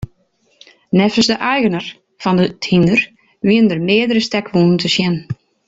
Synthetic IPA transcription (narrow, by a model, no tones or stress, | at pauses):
nɛfəst̪əʔaːjɣənaɾ̥ | fant̪ʏt̪ʰinʏɾ̥ | viːnʏɾmeːðɾɪst̪ɛkvunnt̪ʏsjɛn